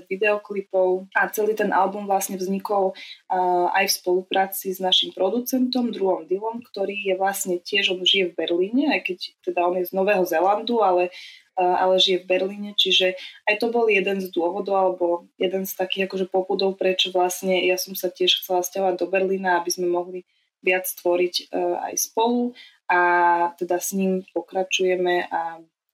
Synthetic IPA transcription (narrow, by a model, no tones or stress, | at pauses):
ʋid̪ɛɔklipɔʊat͡sɛliːt̪ɛnʔa̰lbumvlasɲɛvzɲikɔl | a̰jfspɔlupɾaːt͡siznaʃimpɾɔd̪ut͡sɛnt̪ɔmd̪ɾuɦɔmd̪ilɔmkt̪ɔɾiːjɛʋlasɲɛcɪɛʒɔnʒijɛvbɛɾliːɲɛajkɛct̪ɛd̪aɔnjɛznɔʋɛːɦɔzɛland̪ualɛ | a̰lɛʒijɛvbɛɾliːɲɛt͡ʃiʒɛajt̪ɔbɔljɛd̪ɛnzd̪ʊɔʋɔd̪ɔʊalɛbɔjɛd̪ɛnst̪akiːɣakɔʒɛpɔpud̪ɔʊpɾɛt͡ʃɔʋlasɲɛjasɔmsacɪɛʃxt͡sɛlascaɦɔʋaɟ̚d̪ɔbɛɾliːnaabizmɛmɔɦli | ʋɪat͡sst̪ʋɔɾicːa̰jspɔlu | at̪ɛd̪asɲiːmpɔkɾat͡ʃujɛmɛʔa